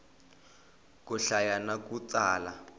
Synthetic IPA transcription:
kuɬajanak̬ʼut͡saːla

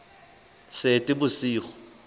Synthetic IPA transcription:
setʼɪbʊsiːχɔ̥

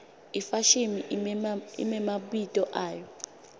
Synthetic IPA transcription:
ifaʃimi | ḭmɛmaɓitʼɔʔaːjɔ

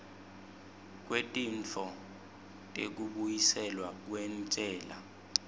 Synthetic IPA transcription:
k̬wetʼint͡fʰɔ | tʼḛk̬uɓujisɛlwak̬wɛnt͡sʼɛːla̰

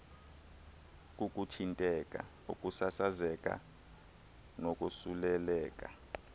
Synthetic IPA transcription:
k̬ʼuk̬ʼutʰintʼɛkʼa̰ | ṵkʼusasazɛk̬ʼa̰ | nokʼusulɛlɛːk̬ʼa̰

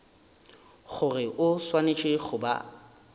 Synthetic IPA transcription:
χʊrɪʔʊswanet͡ʃʼɪχʊba̰

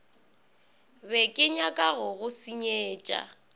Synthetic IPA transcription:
bɛkʼɪɲakʼaɣʊɣʊsiɲeːt͡ʃʼa̰

